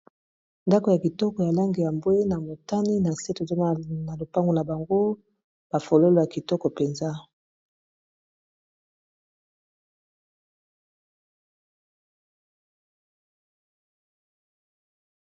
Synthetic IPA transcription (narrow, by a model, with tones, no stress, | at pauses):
nda˦ko˨ja˨ki˨tɔ˦kɔ˨ja˨la˦ŋɡe˨ja˨mbwe˦na˨mo˨ta˦ni˦na˨se˦to˨zo˦˨na˨lo˨pa˦ŋɡo˨na˨ba˨ŋɡo˦ | b̥a˨fo˨lo˦lo˨ja˨ki˨tɔ˦kɔ˨pe˨nza˦